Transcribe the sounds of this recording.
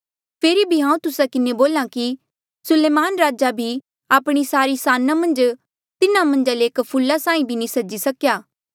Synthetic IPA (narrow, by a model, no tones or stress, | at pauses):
pʰeːɾibʱiɦãːũt̪ʊsakɪneboːlãki | sʊleːmaːnɾaːd͡ʒabʱi | aːpɽ̃isaːɾisaːnamɐ̃nd͡ʒ | t̪ɪnãmɐ̃nd͡ʒaleeːkpʰʊlːasãːĩbʱinĩsɐd͡ʒisɐkjaː